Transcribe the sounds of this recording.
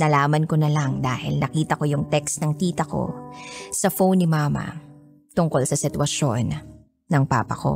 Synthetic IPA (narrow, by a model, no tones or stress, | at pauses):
nɐlaːmɐnkonɐlɐŋd̪a̰ːhɪ̰lnʔɐkiːt̪ɐko̞jʊŋt̪ɛksnɐŋk̪iːt̪ɐko̞̰sɐfownːɪmaːmɐ̰ | t̪ʊŋko̞lsɐsɪt̪wɐʃo̞nː | ɐŋpa̰ːpɐ̰ko̞̰